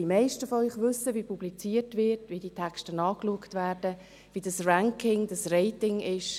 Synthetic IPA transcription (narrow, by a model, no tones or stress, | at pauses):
imɛɪʃtəfɔœʏχʋʏsəʋipʰublit͡siːəɾtvɪtʋiditʰɛksʃtənɑːkluəktvæːɾdə | ʋidɑsræŋkʰɪŋd̥ɑsrɛɪtɪŋɪʃ